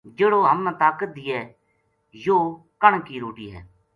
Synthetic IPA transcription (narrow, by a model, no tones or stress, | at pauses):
d͡ʒeːɽoːɦəmnə̃t̪aːkət̪̚d̪iːɛː | joː | kəɳkiːɾoːʈiːɦɛ̰ː